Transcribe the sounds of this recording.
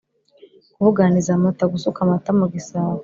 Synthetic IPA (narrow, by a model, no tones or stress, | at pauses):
kuβuɡanizamataɡusukamatamuɡisawa